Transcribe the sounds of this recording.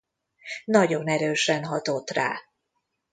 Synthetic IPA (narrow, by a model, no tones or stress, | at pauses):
nɒɟo̞nɛɾøːʃɛnɦɒt̪o̞t̪ra̰ː